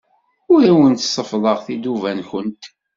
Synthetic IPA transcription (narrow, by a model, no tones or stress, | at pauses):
ʊɾæwənt̪sˤəfðˤəʁθid̪uvænçənt̪